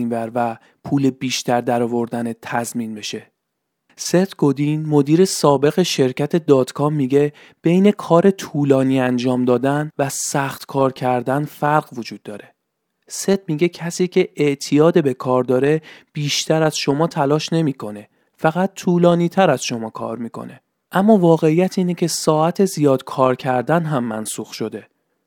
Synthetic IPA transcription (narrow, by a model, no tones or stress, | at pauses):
nvæɾvæ | pʰuːlebiːʃt̪æɾd̪æɾɒːvo̞ɾd̪ænet̪ʰæzmiːnbe̞ʃe̞ | se̞t̪ɡ̥o̞d̪inmo̞d̪iːɾe̞sɒːbe̞ɣe̞ʃe̞ɾcʰæt̪ʰe̞d̪ɒːd̪̥kʰɒːmːiɟe̞ | b̥e̞jne̞kʰɒːɾe̞t̪ʰuːlɒːniːænd͡ʒɒːmd̪ɒːd̪ænvæsæxt̪kʰɒːɾcʰæɾd̪ænfæɾɢvod͡ʒuːd̪̥̚ːɒːɾe̞̥ | se̞t̪̚miɟe̞cʰæsiːcʰe̞eʔt̪ʰijɒːd̪ebe̞kʰɒːɾd̪ɒːɾe̞b̥iːʃt̪ʰæɾæz̥ʃo̞mɒːt̪ʰælɒːʃne̞miːkʰo̞ne̞ | fæɣæt̪̚ːʰuːlɒːniːt̪ʰæɾæz̥ʃo̞mɒːkʰɒ̰ːɾmiːkʰo̞̰ne̞̰ | ʔæmːɒːvɒːɣe̞ijæt̪ʰiːnecʰe̞sɒːæt̪ʰe̞zijɒːd̪̥kʰɒːɾcʰæɾd̪ænɦæmːænsuːxʃo̞d̪e̞